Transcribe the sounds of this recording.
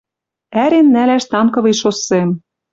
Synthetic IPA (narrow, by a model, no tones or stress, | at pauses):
æɾenːælæʃt̪ɑmkɤ̆βɤ̆jʃosːem